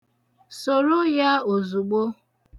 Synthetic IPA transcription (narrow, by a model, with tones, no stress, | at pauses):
so˨ɾu˦ja˦o˨zu˨ɡ͡bo˦